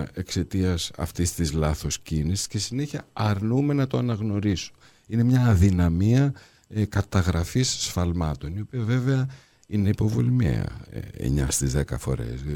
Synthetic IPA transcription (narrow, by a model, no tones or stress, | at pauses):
e̞kse̞t̪iɐsɐ̰ft̪ist̪izlɐθo̞scinisi̥sce̞sineçiɐɐɾnume̞nɐt̪o̞ɐnɐɣno̞ɾisu | ine̞mɲɐːðinɐmiɐ | kɐt̪ɐɣɾɐfisːfɐlmɐt̪o̞nio̞piɐve̞veɐ | ineipo̞vo̰limḛɐ̰ḛɲɐ̰st̪izðekɐfo̞̰ɾe̞̰s